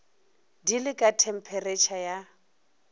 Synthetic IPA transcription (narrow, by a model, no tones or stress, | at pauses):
dilɪkʼatʰɛm̩pʰɛret͡ʃʰaja